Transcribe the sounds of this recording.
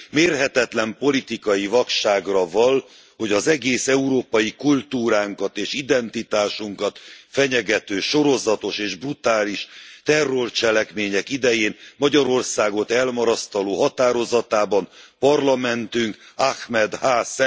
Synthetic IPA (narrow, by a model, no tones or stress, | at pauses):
meːrɦɛt̪ɛt̪lɛmpo̞lit̪ikɒjivɒkʃaːɡrɒvɒl | ho̞ɟɒzɛɡeːsɛuɾoːpɒjikult̪uːɾaːŋkɒt̪eːʃid̪ɛnt̪it̪aːʃuŋkɒt̪fɛɲɛɡɛt̪øːʃo̞ɾo̞zɒt̪o̞ʃeːʒbrut̪aːliʃt̪ɛrːo̞rt͡ʃɛlɛkmeːɲɛkid̪ɛjeːnmɒɟɒɾo̞rsaːɡo̞t̪ɛlmɒɾɒst̪ɒloːɦɒt̪aːɾo̞zɒt̪aːbɒnpɒrlɒmɛnt̪yŋkaxmɛd̪haːsɛ